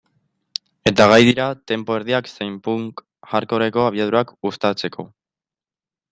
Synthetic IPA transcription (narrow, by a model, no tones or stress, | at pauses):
e̞t̪aɣajðiɾat̪e̞mpo̞e̞ɾð̞iaksejmpuŋk | ʝaɾko̞ɾe̞ko̞aβ̞iað̞uɾakust̪at͡se̞kʰo̞